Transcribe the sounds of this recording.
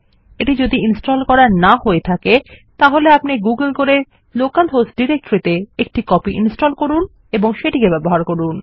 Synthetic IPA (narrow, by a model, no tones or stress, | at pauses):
eʈid͡ʑod̪iinsʈolkɔɾanaɦoet̪ʰaket̪aɦoleapniɡuɡəlkoɾeɾ | lokalɦosʈɖiɾek̚ʈoɾit̪eek̚ʈikɔpiʔḭnsʈolkoɾun | eboŋʃeʈikebɛboɦaɾkoɾun